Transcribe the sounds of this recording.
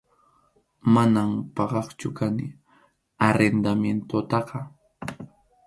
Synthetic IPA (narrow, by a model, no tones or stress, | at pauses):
manampɑɢɑχt͡ʃʊkanɪ | aɾend̪amjent̪ot̪ɑqɑ